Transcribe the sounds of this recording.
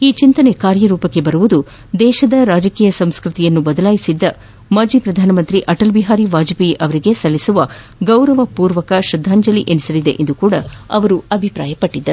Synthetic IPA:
iːt͡ʃint̪ɐne̞kaːɾjɐɾuːpɐkːe̞bɐɾuʋud̪u | d̪ɛːʃɐd̪ɐɾaːd͡ʒɐkiːjɐsɐmskɾut̪ijɐnːubɐd̪ɐlaːjisid̪ːɐ | mɐd͡ʒipɾɐd̪ʱaːnɐmɐnt̪ɾiʔɐʈɐlbiɦaːɾiʋaːd͡ʒpiʔɐʋɐɾiɡe̞sɐlːisuʋɐ | ɡɐwɾɐʋɐpuːɾʋɐkɐʃɾɐd̪ʱːaːɲd͡ʒɐliʔenisɐlid̪e̞̰ʔend̪ukuːɽɐɐʋɐɾuɐbʱipɾa̰ːjɐpɐʈːid̪ːɐɾ

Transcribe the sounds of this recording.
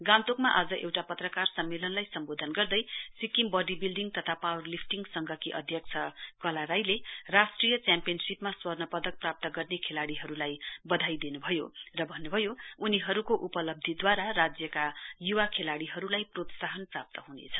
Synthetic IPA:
ɡamt̪okmaʔad͡zʌʔewʈapʌt̪rʌkarsʌmːelʌnlajsʌmbod̪ʱʌnɡʌrd̪ʌjsikimbʌɖibilɖiŋɡt̪ʌt̪ʰapawʌrlipʰʈiŋɡsʌŋɡʱʌkiʔʌd̪ʱjʌk̚t͡sʰʌkʌlaɾajlerasʈrijʌt͡sjampijʌnsipmaswʌrnʌpʌd̪ʌk̚prap̚t̪ʌɡʌrnekʰelaɽiɦʌɾulajbʌd̪ʱajd̪enubʱʌjorʌbʱʌnːubʱʌjouniɦʌɾukoʔupʌlʌb̚d̪ʱid̪waɾarad͡zjʌkajuwakʰelaɽiɦʌɾulajprot̪saɦʌnprap̚t̪ʌɦunḛt͡sʰʌ̥

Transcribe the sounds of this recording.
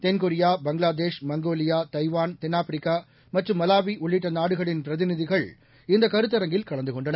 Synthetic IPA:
t̪ɛnkʊɾɪjaːbɐŋɡɭaːðeːʂmɐŋɡoːlɪjaːt̪ɐɪʋaːnt̪ɛnːaːfɾɪkːaː | mɐʈrɯmːɐlaːʋiʔʊɭːɪʈːɐnaːɽɯɣɐɭɪnpɪɾɐðɪnɪðɪɣɐɭ | ɪnd̪ɐkɐɾɯt̪ːɐɾɐŋɡɪlkɐɭɐnd̪ɯkɔɳɖɐnɐ

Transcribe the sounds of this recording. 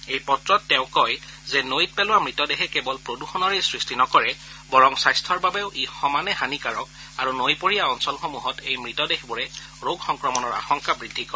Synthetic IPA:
ejpɔtɹɔtːɛʊ̃kɔjzɛnojit̚pɛlʊwamɹitɔdeɦɛkɛbɔlpɹoduxɔnɔɹejsɹistinɔkɔɹɛ | bɔɹɔŋsajstʰɔɹbabɛʊʔixɔmanɛɦanikaɹɔk | aɹunojpoɹijaɔnsɔlxomuɦɔtejmɹitɔdexbɔɹɛ | ɹoɡxɔŋkɹɔmɔnɔɹa̰xɔŋkabɹidʱːikɔɹ

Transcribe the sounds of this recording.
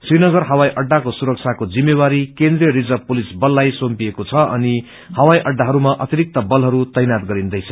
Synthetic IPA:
srinʌɡʌrɦʌwajʔʌɖːakosuɾʌk̚t͡sʰakod͡zimːewaɾikend̪rijʌɾid͡zʌpolisbʌlːajsompiekot͡sʰʌʌ̰ni | hʌwajʔʌɖːaɦʌɾumaʔʌ̰t̪iɾik̚t̪ʌbʌlɦʌɾut̪ʌjnat̪ɡʌɾind̪ʌjt͡sʰʌ

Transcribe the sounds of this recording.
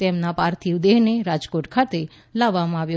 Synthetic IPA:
t̪ɛmnapaɾt̪ʰiud̪eɦneɾad͡ʒkoʈkʰat̪e | laʋːamãaʋjo

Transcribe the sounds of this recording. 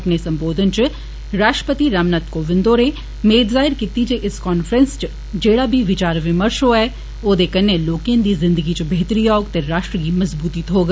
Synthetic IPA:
ɐpnesɐ̃mboːd̪ʱənt͡ʃ | ɾaːʃʈəpət̪iɾaːmnət̪koʋɪ̃nd̪oːɾẽ | meːd̪zaːɪɾkiːt̪id͡ʒeʔɪskɔːnfɾə̃nst͡ʃ | d͡ʒeːɽabʱiʋɪt͡ʃaːɾʋɪməɾʃoɛː | oːd̪ekɐnẽloːkẽnd̪izɪ̃nd̪əɡit͡ʃbʱeːt̪ɾiaːoɡt̪eɾaːʃʈɾəkimɐzbuːt̪it̪ɦoːɡ

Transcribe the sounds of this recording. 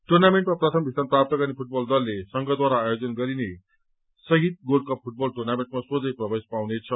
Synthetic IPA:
ʈurnameɳʈmaprʌt̪ʰʌmbʱist̪anprap̚t̪ʌɡʌrnepʰuʈ̚bʌld̪ʌlːesʌŋɡʌd̪waɾaːjod͡zʌnɡʌɾine | sʌɦit̪̚ɡolkʰʌpʰuʈ̚bʌlʈurnameɳʈmasod͡zʌjprʌbespawnet͡sʰʌ

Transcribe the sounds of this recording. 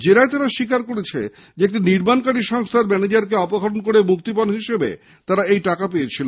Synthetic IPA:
d͡ʑeɾaet̪aɾaʃikaɾkoɽet͡ɕʰḛ | d͡ʑeek̚ʈiniɾmankaɽiʃɔŋst̪ʰaɾmɛned͡ʑaɾkeɔpoɡʱaɾonkoɾemuk̚t̪ipɔnɦiʃebḛ | t̪aɾaejʈakapejet͡ɕʰilon

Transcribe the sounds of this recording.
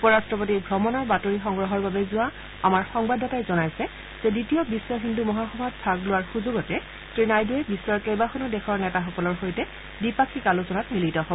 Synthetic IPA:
upɔɹastɹɔp̬otibʱɹɔmɔnɔɹbatoɹixɔŋɡɹɔɦɔɹbabɛzʊwa | amaɹxɔŋbadʱatajzɔnajsɛ | z̥ɛditijɔbisːɔɦindumɔɦaxɔbʱatpʰaɡlʊwaɹxuzuɡɔtɛ | tɹinajduɛbisːɔɹkejbaxɔnɔdɛxʰɔɹnɛtaxɔkɔlɔɹxojtɛ | dipakʰikalusɔnatmilitɔɦoɔ

